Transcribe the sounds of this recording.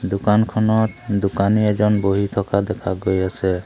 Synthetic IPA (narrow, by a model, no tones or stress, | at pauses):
d̪ukankʰɔnɔt̪d̪ukaniɛzɔnboɦit̪ʰɔkad̪ɛkʰaɡojasɛ